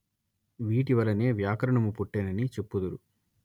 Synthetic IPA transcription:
ʋiːʈiʋɐlɐne̞ːʋjaːkɐɾɐɳɐmupuʈːeːnɐnit͡ʃepːud̪uɾu

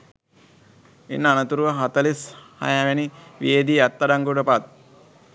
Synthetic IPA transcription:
ḛnːəanət̪uɾuʋəɦat̪əlisha̰jaʋeniʋijed̪iat̪ːaɖaŋɡuɖəpat̪̚

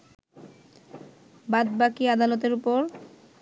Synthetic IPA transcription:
bad̪bakiad̪alot̪eɾupoɾ

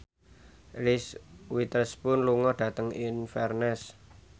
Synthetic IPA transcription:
lɪswit̪əspʊnluŋɔɖ̥ä̤t̪əŋɪnfɛrnɛs

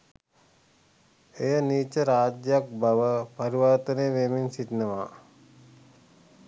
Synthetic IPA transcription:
ejəniːt͡ʃəɾaːd͡ʒjak̚baʋəpaɾiʋaɾt̪əneəʋeminsit̪nəʋaː

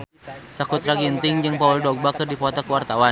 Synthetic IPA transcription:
sakut̪ɾaɡint̪ɪŋd͡ʒɨŋpauldɔk̚bakɨrdipɔt̪ɔkuwart̪awa

